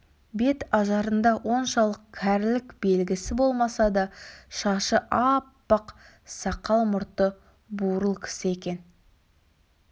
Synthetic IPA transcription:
be̞t̪ɑʒɑɾənd̪ɑwo̞nʃɑlˠəq̚kʲʰæɾlɪkbe̞lɡʲɪsɪbo̞lˠmɑsɑd̪ɑʃɑʃəʔɑpːəq | sɑqɑlˠmʊɾt̪ə | buɾəlˠkʲʰɪ̥sɪe̞kʲe̞n

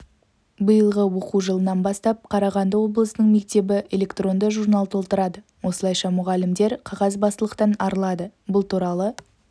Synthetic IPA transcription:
bəjəlˠʁəwo̞quʒəlˠənɑnbɑst̪ɑp̚qʰɑɾɑʁɑnd̪əwo̞blˠəsənəɴme̞k̚t̪e̞bɪʔe̞lʲe̞kt̪ro̞nd̪əʒuɾnɑlˠt̪ʰolˠt̪əɾɑd̪ə | wʔo̞səlˠɑjʃɑmʊʁɑlɪmd̪e̞ɾqʰɑʁɑzbɑst̪əlˠəqt̪ɑnɑɾlˠɑd̪əbʊlˠt̪ʰuɾɑlˠə

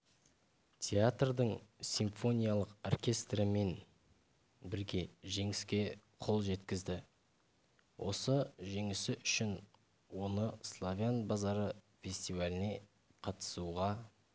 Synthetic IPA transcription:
t̪ʲʰeat̪rd̪əɴsʲiɱfo̞nʲijalˠəqorkʲe̞st̪ɾəme̞n | bɪɾɡʲe̞ʒe̞ŋɪskʲe̞ | qʰo̞lˠʒe̞t̪kʲɪzd̪ɪ | wʔo̞̰səʒe̞ŋɪsɪʔʏʃɪn | wo̞nəslˠovʲjanbazɑɾə | fʲe̞sʲt̪ivalʲɪne̞ | qʰɑt̪ə̥suʁɑ

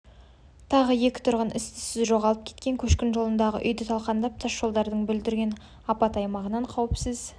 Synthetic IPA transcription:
t̪ʰɑʁəje̞kʲɪ̥t̪ʰʊɾʁənʔɪst̪ɪ̥sɪzʒo̞ʁɑlˠəp̚kʲʰe̞t̪kʲe̞ŋkʲʰɵʃkʲɪnʒo̞lˠənd̪ɑʁə̰ʔʏjd̪ɪt̪ʰɑlˠqɑnd̪ɑp̚t̪ʰɑʃʒo̞lˠd̪ɑɾd̪əɴbʏld̪ɪɾɡʲe̞n | ɑpɑt̪ɑjmɑʁənɑɴqʰɑwɪpsɪz̥

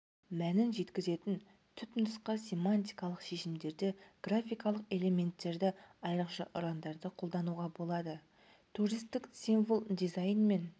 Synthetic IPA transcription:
mænɪnʒe̞t̪kʲɪze̞t̪ɪn | t̪ʰʏt̪nəsqɑsʲe̞manʲt̪ʲijkɑlˠəqʃe̞ʃɪmd̪e̞ɾd̪ɪɡ̥rafʲijkɑlˠəqe̞le̞mʲe̞nt̪ːe̞ɾd̪ɪɑjɾəqʃɑʔʊɾɑnd̪ɑɾd̪əqʰo̞lˠd̪ɑnuʁɑbo̞lˠɑd̪ə | t̪ʰuɾijst̪ːɪksinvolˠd̪izajnme̞n

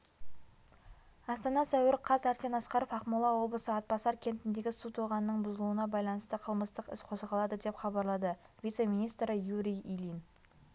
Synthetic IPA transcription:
ɑst̪ɑnɑsæwɪɾqʰɑzæɾse̞nɑsqɑɾo̞fɑqmulˠɑwo̞blˠəsəɑt̪̚pɑsɑɾkʲʰe̞nt̪ɪnd̪e̞ɡʲɪsut̪ʰuʁɑnənəɴbʊzəlˠuənɑbɑjlˠɑnəst̪əqʰəlˠməst̪əqɪ̰sqʰo̞səʁɑlˠɑd̪əd̪e̞pχɑbɑɾlˠɑd̪ə | vijt̪se̞mijnist̪ɾəjuɾʲijilˠijn

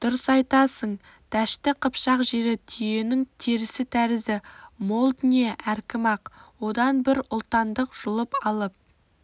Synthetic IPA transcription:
d̪̥ʊɾəsɑjt̪ɑsəɴ | d̪̥æʃt̪ɪqʰəpʃɑqʒe̞ɾɪt̪ʰʏje̞nɪŋt̪ʰeɾɪsɪt̪ʰæɾɪzɪmo̞lˠd̪nijeʔæɾkʲɪmɑqwo̞d̪ɑnbɪɾʊlˠt̪ɑnd̪əqʒ̥ʊlˠəpɑlˠəp̚

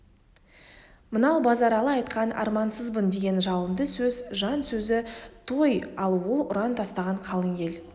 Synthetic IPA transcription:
mənɑwbɑzɑɾɑlˠəɑjt̪qɑnɑ̰ɾmɑnsəzbənd̪e̞ɡʲe̞nʒɑlˠəmd̪əsɵzʒɑnsɵzɪt̪ʰo̞jɑlˠwolˠʊɾɑnt̪ʰɑst̪ɑʁɑɴqʰɑlˠəŋɡʲe̞l

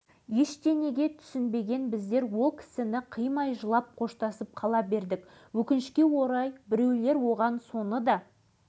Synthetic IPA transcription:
jeʃd̪ene̞ɡʲe̞t̪ʰʏ̥sɪnbe̞ɡʲe̞nbɪzd̪e̞ɾwo̞lˠkʲʰɪ̥sɪnɪqʰijmɑjʒəlˠɑp̚qʰo̞ʃt̪ɑsəp̚qʰɑlˠɑbe̞ɾd̪ɪk | wɵkʲɪnɪʃkʲe̞wo̞ɾɑjbɪɾe̞wle̞ɾwo̞ʁɑnso̞nəd̪ɑ

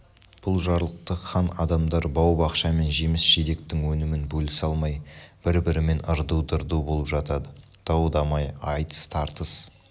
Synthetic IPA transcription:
b̥ʊlˠʒɑɾlˠəq̚t̪əχɑnɑ̰d̪ɑmd̪ɑɾbɑwbɑqʃɑme̞nʒe̞mɪsʒ̥ed̪e̞k̚t̪ɪŋwɵnɪmɪnbɵlɪsɑlˠmɑjb̥ɪɾbɪɾɪme̞nəɾd̪uwd̪əɾd̪ubolˠəpʒɑt̪ɑd̪ə | d̪̥ɑwd̪ɑmɑjɑjt̪ə̥st̪ʰɑɾt̪əs

